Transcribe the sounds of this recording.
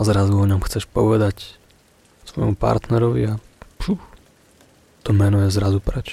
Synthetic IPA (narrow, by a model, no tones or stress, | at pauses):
zɾazuɔɲɔmxt͡sɛʃpɔʋɛd̪ac | sʋɔjmupa̰ɾt̪nɛɾɔʋḭapʃu | t̪ɔmɛnujɛzɾazupɾɛt͡ʃ